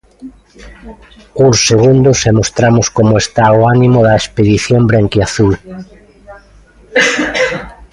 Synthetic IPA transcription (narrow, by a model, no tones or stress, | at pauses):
useɣund̪ʊsemost̪ɾamʊskomoest̪aoanimoðɐespeðiθjombɾeŋkiaθul